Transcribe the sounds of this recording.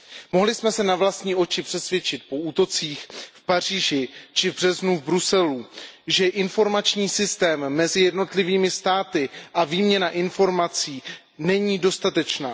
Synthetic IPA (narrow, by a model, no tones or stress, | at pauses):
mo̞ɦlɪsmɛsɛnavlast̪ɲiːʔo̞t͡ʃɪpr̥ɛsvjɛt͡ʃɪt̪̚po̞uːt̪o̞t͡siːxfpar̝iːʒɪt͡ʃɪvbr̝̥ɛznuvbɾusɛluʒɛʔɪnfo̞ɾmat͡ʃɲiːsɪst̪ɛːmːɛzɪjɛdno̞t̪lɪviːmɪst̪aːt̪ɪʔaviːmɲɛnaʔɪnfo̞ɾmat͡siː | nɛɲiːdo̞st̪at̪ɛt͡ʃnaː